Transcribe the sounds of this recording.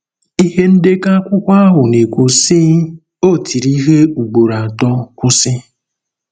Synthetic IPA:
i˦ɦe˦n̩˦de˦ka˦kʷʊ˦kʷa˦a˦ɦʊ˨ne˨kʷo˨siː˦ | o˦˨tʰi˨ɾi˦ɦe˦u˨ɡ͡bo˨ɾa˨tɔ˦kʷʊ˦sɪ˦

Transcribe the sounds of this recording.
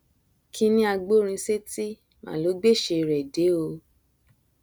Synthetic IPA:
kʰi˧nĩ˦a˧ɡ͡bo˦ɾ̃ĩ˧se˦ti˦ | mã̰˨lo˨˦ɡ͡be˦˨ʃe˧ɾɛ˨de˨˦o˧

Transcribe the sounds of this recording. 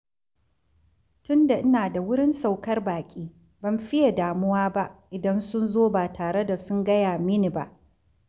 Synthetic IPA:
tʊ˦nda˨ʔɪ˦naː˨da˨wʊ˦ɽɪ˦nsa˨wkɐ˦rbaː˨kʲʼiː˦ | bɐ˨mɸɪ˦ja˨daː˨mʊ˦waː˦ba˦ʔʔɪ˨dɐ˦nsʊ˦nzoː˦baː˨tʰaː˨ɽe˦da˨sʊ˦ŋɡɐ˦jaː˨mɪ˦ni˨ba̰˦ʔ

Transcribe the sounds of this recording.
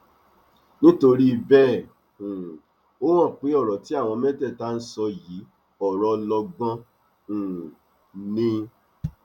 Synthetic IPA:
nĩ˦to˧ɾi˦i˧˨bɛ˦˨ | ũ˨ | o˦w̃ã˦˨k͡pe˨˦ɔ˦˨ɾɔ˨ti˨˦a˦˨w̃ɔ̃˧mɛ˦tɛ˦˨ta˦˧n̩˦sɔ˧ji˨˦ | ɔ˦˨ɾɔ˧lɔ˧ɡɔ̃˦ | ũ˨ | nĩ˧

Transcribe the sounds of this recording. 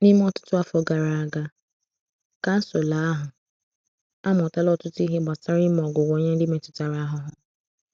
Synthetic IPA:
ni˦m˦ɔ˦tʊ̥˦tʊ˦a˦fɔ˨ɡa˨ɾa˨a˨ɡa˦ | ka˨˦so˨la˨˦a˦ɦʊ˨ | a˦m˨ɔ˨ta˦lɔ˦tʊ˦tʊ˦i˦ɦe˦ɡ͡ba˨sa˦ɾi˦m˦ɔ˨ɡʊ˨wo˨˦ɲe˦n̩˦dɪ˦me˨tʊ̥˨ta˨ɾa˦a˦ɦʊ˨ɦʊ˨

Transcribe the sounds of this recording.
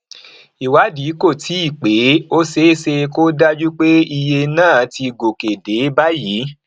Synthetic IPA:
i˨wa˨˦di˨˦ko˦˨tʰi˨˦i˦˨k͡pe˨˦o˦se˦se˧ko˦da˦d͡ʒu˦k͡pe˦i˧je˧nãː˦˨ti˧ɡo˨ke˨de˨˦ba˦jiː˨˦

